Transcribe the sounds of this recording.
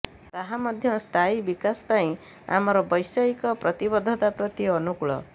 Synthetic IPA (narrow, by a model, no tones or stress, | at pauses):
t̪aɦamɔd̪ʱjɔst̪ʰaibikaspaĩ | a̰mɔɾɔbɔjsaikɔpɾɔt̪ibɔd̪ʱɔt̪apɾɔt̪iɔnukuɭɔ̰